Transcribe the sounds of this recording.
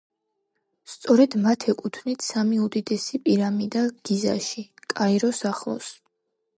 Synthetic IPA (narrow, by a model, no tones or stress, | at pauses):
st̪sʼɔɾɛd̪mat̪ʰɛkʼut̪ʰnit̪ʰsamiud̪id̪ɛsipʼiɾamid̪aɡ̥iza̰ʃikʼaiɾɔsaχlˠɔ̰s